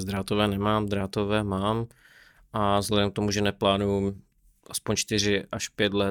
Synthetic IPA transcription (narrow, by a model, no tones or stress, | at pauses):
zd̪ɾaːt̪ovɛːnɛmaːmd̪ɾaːt̪ovɛːmaːm | ʔazɦlɛdɛmk̚t̪omuʒɛnɛplaːnuju | ʔaspoɲt͡ʃt̪ɪr̝ɪʔaʃpjɛt̪lɛ